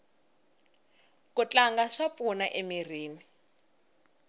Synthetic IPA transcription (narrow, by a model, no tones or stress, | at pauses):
kut͡ɬaŋɡaʂap̪funaʔemir̤iːni